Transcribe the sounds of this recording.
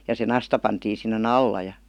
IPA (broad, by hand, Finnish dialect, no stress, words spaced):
jɑ se nɑstɑ pɑntiːn̞ sinːen ɑlːɑ jɑ